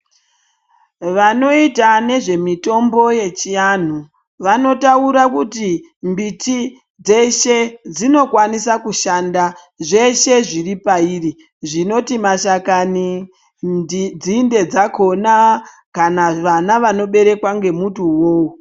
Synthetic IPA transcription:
ʋano̞itane̞ʐe̞mito̞mbo̞je̞t͡ʃijan̤u | ʋano̞tauɾakuti | mbiti | d͡ze̞ʃed͡zino̞kwanisakuʃanda | ʐe̞ʃe̞ʐiripaiːri | ʐino̞timaʃakani | d͡zinde̞d͡zako̞na | kanaʋanaʋano̞ɓe̞ɾe̞kwaŋɡe̞mutuwoːwo

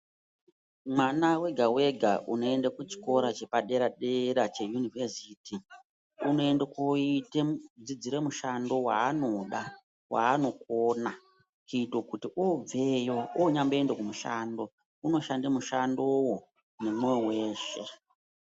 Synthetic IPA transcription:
mwanawe̞ɡʱawe̞ɡʱaʔuno̞endakut͡ʃi̥ko̞ɾat͡ʃe̞paɗe̞ɾaɗeɾat͡ʃe̞junivesiti | uno̞endakoited͡zid͡ziɾe̞muʃando̞wa̰ːno̞ɗa | wa̰ːno̞k̚oːna | kiːtokutiʔob͡vejooɲamboe̞ndekumuʃaːndo̞ | uno̞ʃandamuʃando̞wo | nemweweːʃe̞

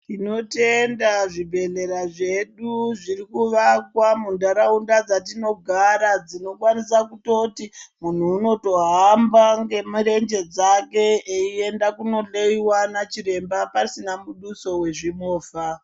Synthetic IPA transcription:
tino̞te̞ndaʐibʱe̞ɮe̞ɾaʐe̞ɗuʐirikuʋakwamundaɾaundad͡zatino̞ɡʱaɾad͡zino̞kwanisakuto̞timun̤uːno̞to̞ɦambaŋɡe̞muɾe̞ɲd͡ʒe̞d͡zake̞eie̞ndakuno̞ɬeiwanat͡ʃiɾe̞mbapaisinamuɗuso̞we̞ʐimo̞ːfa

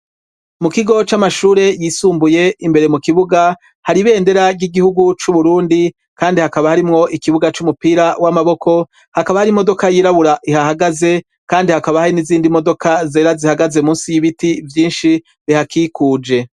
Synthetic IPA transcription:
mukiɡo̞t͡ʃamaʃuːɾe̞jisuːmbuje̞imbe̞ɾe̞mukiβuɡa | haɾiβe̞ːnde̞ɾaɡɡiɡihuɡut͡ʃuβuɾuːndi | kʰaːndihakaβahaɾimŋo̞ʔikiβuɡat͡ʃumupiːɾawamaβo̞kʰo̞ | hakaβahaɾimo̞do̞kajiːɾaβuɾaʔihahaɡaze̞ | kaːndihakaβahaɾiniziːndimo̞do̞kʰazeːɾazihaɡazemuːnsijiβitivjiːnʃi | βihakʰikuːd͡ʒe̞

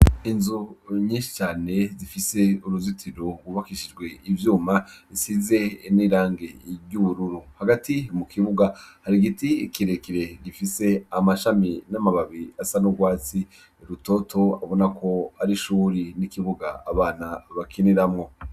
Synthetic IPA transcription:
inzuɲĩːnʃi̥t͡ʃaːne̞zifise̞uɾuzitʰiɾoɡwuβakiʃid͡ʒɡwe̞ivjuːmaisize̞niɾaːŋɡe̞ɟuβuɾuɾuhaɡatimukʰiβuɡahaɾiɡitikiɾe̞kiɾe̞ɡifise̞amaʃaminamaβaβiasanuɡwaːt͡si | ɾuto̞tʰo̞a̰βo̞nakʰo̞aɾiʃuːɾinikiβuɡaaβaːnaβakʰiniɾamŋo̞

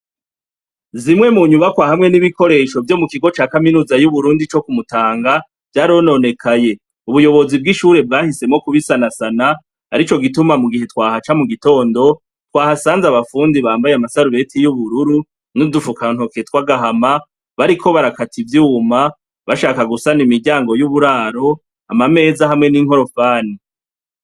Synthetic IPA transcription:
zimŋe̞muɲuβakwahamŋe̞niβiko̞ɾe̞ːʃo̞vjo̞mukiɡo̞t͡ʃaːkaminuːzajuβuɾuːndit͡ʃo̞kumutaːŋɡa | v̥jaːɾiono̞ne̞kʰaje̞ | uβujo̞βo̞zib̚ɡiʃuːɾe̞b̚ɡaːhise̞mŋo̞kuβisanasana | a̰ɾit͡ʃo̞ɡitumamuɡihe̞twaːhat͡ʃamuɡito̞ːndo̞ | twaːhasaːnzaβafuːndiβaːmbajeamasaɾuɾe̞tʰijuβuɾuɾu | nudufukan̥ho̞ketwaɡaɦama | βaɾikʰo̞βaɾakatʰivjuːma | βaʃaːkaɡusanimiɾɟaːŋɡo̞juβuɾaːɾo̞ | amame̞ːzahamŋe̞niŋ̥ho̞ɾo̞faːni

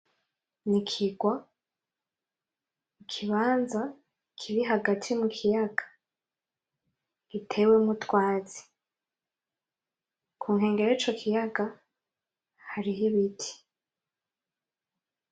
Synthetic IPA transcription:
nikʰiɡwa | ikʰiβaːnza | kʰiɾiɦaɡatʰimukʰijaɡḁ | ɡ̥itʰe̞wemutwaːzi̥ | kʰuːŋɦe̞ːŋɡe̞ɾoit͡ʃo̞kʰijaɡa | haɾiɦiβitʰi̥

